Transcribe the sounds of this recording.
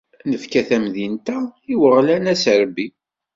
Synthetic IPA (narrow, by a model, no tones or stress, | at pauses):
nəfkæθæmðint̪æiwəʁlænæsəɾbi